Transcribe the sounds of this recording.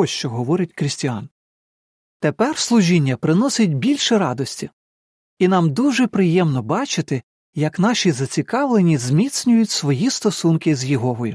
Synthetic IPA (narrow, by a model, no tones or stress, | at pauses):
ɔʃt͡ʃɔɦɔʋɔɾɪtʲkɾɪsʲtʲiɑn | t̪epɛrslˠʊʒʲinʲːɐpɾɪnɔsɪtʲbʲilʲʃɪɾɑd̪ɔsʲtʲi | inɑmd̪uʒɛpɾɪjɛmnɔbɑt͡ʃɪt̪ɪ | jɐkn̪ɑʃizɐt͡sʲikɑʋlˠenʲizmʲit̪sʲnʲʊjʊtʲsʋɔjist̪ɔsunkɪzjɪɦɔɦɔjʊ